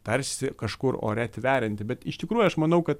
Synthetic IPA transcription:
t̪ɐrʲsʲɪkɐʃkʊro̰ːɾʲɛt̪ʲʋʲæːɾʲɪnʲt̪ʲɪbʲɛt̪ɪʃt̪ʲɪkɾuːjuʊɐʃmɐnɐʊkɐt̪

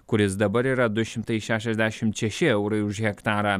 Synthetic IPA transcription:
kʊɾʲɪsd̪ɐbɐɾiːɾɐd̪ʊʃɪmt̪ɐjʃʲæʃ̬ɐʒʲd̪ʲæʃɪmʃʲɛʃɪɐwɾɐjuʒhʲɛkt̪aːɾɐ

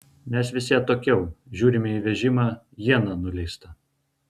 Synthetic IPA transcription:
mʲɛsʋʲɪsʲiɛt̪oːkʲɛʊʒʲuːɾʲɪmʲɪiʋʲɛʒʲɪmɑː | jiɛnɐnʊlʲɛɪst̪ɐ

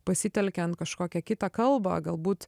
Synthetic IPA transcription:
pɐsʲɪt̪ʲɛlʲkʲɛɐnt̪̚kɐʃkoːkʲɛkʲɪt̪ɑkɐlˠbɐ̰ɡɐlˠbuːt̪

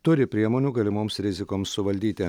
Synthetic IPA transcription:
t̪ʊɾʲɪpʲɾʲiɛmoːnʲuːɡɐlʲɪmoːmsɾʲɪzʲɪkoːmsʊʋɐlʲd̪ʲiːt̪ʲɪ

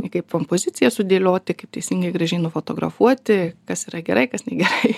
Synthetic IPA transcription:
ɪkɐɪpkompoːzʲɪt̪t͡ssʲɪjɛsʊd̪ʲeːlʲoːt̪ʲɪkɐɪp̚t̪ʲɛɪsʲiŋɡɐɪɡɾɐʒʲɛɪnʊfoːt̪oːɡɾɐ̰fuɔt̪ʲɪkɐsiːɾɐɡʲɛɾʔɐɪkɐsnʲɛɡʲɛɾɐɪ

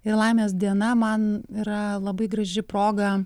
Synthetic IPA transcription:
ɪɾlˠɐɪmʲeːs̬d̪ʲiɛnɐmɐniːɾɐlˠɐbɐɪɡɾɐʒʲɪpɾoːɡɐ

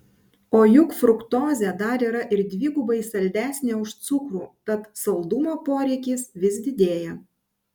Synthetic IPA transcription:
oːjʊkfɾʊkt̪oːzʲɛˑd̪ɐɾiːɾɐʔɪɾd̪ʲʋʲiɡʊbɐɪsɐlʲd̪ʲæːsʲnʲeːʊʃt̪sʊkɾuːt̪ɐt̪sɐlˠd̪ʊmoːpoːɾʲɛɪkʲɪːsʋʲɪs̬d̪ʲɪd̪ʲeːjɛ

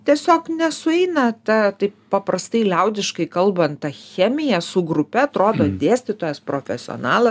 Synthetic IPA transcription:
t̪ʲiɛsʲoːknʲɛsʊɛɪnɐt̪ɐt̪ɐɪppɐpɾɐst̪ɐɪlʲɛʊd̪ʲɪʃkɐɪkɐlˠbɐnt̪t̪ɐxʲæːmʲɪjɛsʊɡɾʊpʲɛɐt̪ɾoːd̪oːd̪ʲeːsʲt̪ʲɪt̪oːjɛspɾoːfʲɛsʲɪo̰nɑːlˠɐ

